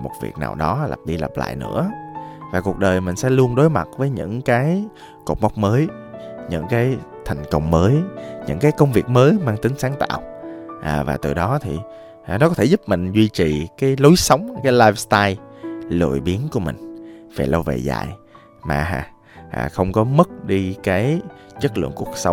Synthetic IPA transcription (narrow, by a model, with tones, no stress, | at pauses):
mo˨˩t̚vḭ˨˩k̚naː˨˩wɗɔ˨˦la̰˨˩p̚ɗi˧lə̰˨˩p̚la̰ː˧˨jnɨ̰˧˥əvaː˨˩ku˨˩ək̚ɗəː˨˩jmï˨˩ŋ̟sɛ̰˧˥lu˧ənɗo˨˦jma˨˩t̚vəː˨˦jɲɨ̰˧˥ŋkaː˨˦j | ko˨˩k͡p̚ma˦˥wk͡p̚məː˨˦j | ɲɨ̰˧˥ŋkaː˨˦jt̪ʰa˨˩jŋ̟kə˧˩wŋ͡mməː˨˦jɲɨ̰˧˥ŋkaː˨˦jkə˧wŋ͡mvi˨˩ək̚məː˨˦jmaː˧ŋt̪ï˨˦ŋsaː˨˦ŋt̪a̰ː˧˨wʔaː˨˩vaː˨˩t̪ɨ̰˨˩ɗɔ˨˦t̪ʰi˨˩˨ | nɔ˨˦kɔ˨˦t̪ʰe˧˩zu˦˥p̚mï˨˩ŋ̟zwi˧t͡ɕi˨˩kaː˨˦jlo˨˦jsə˨˦wŋ͡mkaː˨˦jlaː˧jfst̪aː˧jlṵ˧˨jɓi˨˦ənku˧˩əmï˨˩ŋ̟vḛː˨˩lə˧wvḛ˨˩za̰ː˧˨j | ma̰ː˨˩ha̰ː˨˩ | ʔa̰ː˨˩xə˧wŋ͡mkɔ˨˦mə˦˥t̚ɗi˧kaː˨˦jt͡ɕə˦˥k̚lɨ̰˧˨əŋku˨˩ək̚sə˨˦wŋ͡m